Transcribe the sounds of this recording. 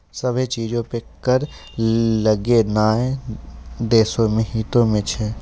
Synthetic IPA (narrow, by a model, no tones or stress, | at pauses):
səbʱet͡ʃiːd͡ʒõpekəɾ | ləɡenaːẽ | d̪eːsõmẽɦiːt̪õmẽt͡ʃʰɛː